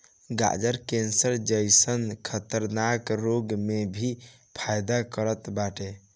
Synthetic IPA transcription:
ɡa̰d͡ʒəɾkensəɾd͡ʒəjsənkʰət̪əɾnakɾoɡmebʱi | pʰajd̪akəɾət̪baʈe

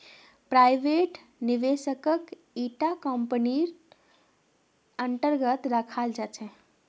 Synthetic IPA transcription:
pɾajbeʈ | niʋesəkək | iʈakəmpəniɾ | ənt̪əɾɡət̪ɾəkʰald͡ʒat͡ʃʰɛ

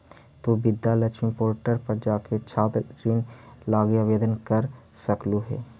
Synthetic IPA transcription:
t̪oːbɪd̪ːalət͡ʃʰmĩpoːɾʈəɾpəɾd͡ʒaːket͡ʃʰaːt̪ɾɾinlaːɡjaʋeːd̪ənkəɾ | səkluɦɛ̰ː

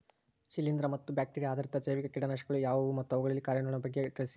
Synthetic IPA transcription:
ʃilːind̪ɾɐmɐt̪ːubjaːk̚ʈiɾijaːd̪ʱɐɾint̪ɐseːʋikɐkiːɽɐnaːʃɐɡɐɭujaːʋumɐt̪ːɐʋɐɡɐɭɐlːikaːɾjɐnuɭɐnɐbɐɡːet̪ɐɭsi

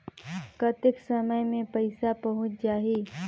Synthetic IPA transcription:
kɐt̪ɪksəməjmẽpɐɪsapɐɦʊ̃t͡ʃd͡ʒaːɦiː

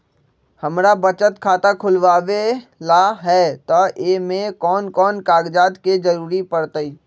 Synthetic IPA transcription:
həmɾabət͡ʃət̪kʰaːt̪akʰʊlʋaːʋelaɦɛːt̪ɔeːmẽkɔːnkɔːnkaːɡd͡ʒaːd̪ked͡ʒəɾuːɾipəɾt̪əiː

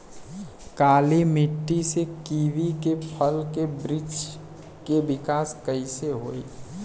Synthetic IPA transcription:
kaːlimɪʈːisekiːʋikepʰəlkebɾɪd͡ʒ | kebɪkaːskəɪseɦoːi

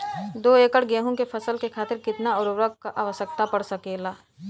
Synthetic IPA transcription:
d̪oːeːkəɽɡɛːɦõkepʰɐsəlkekʰaːt̪ɪɾkɪt̪naɔɾʊʋɾəkkaʔaːʋəsək̚t̪apɐɽsɐkeːlaː

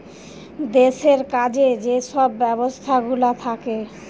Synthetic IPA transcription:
d̪eʃeɾkad͡ʑed͡ʑeʃɔbːɛbost̪ʰaɡulat̪ʰake

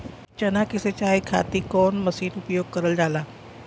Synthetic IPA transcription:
t͡ʃɐnakɪset͡ʃaːikʰa̰ːt̪ikɔːnmɐsiːnʊpjoːɡ̚kɐɾəld͡ʒaːlaː

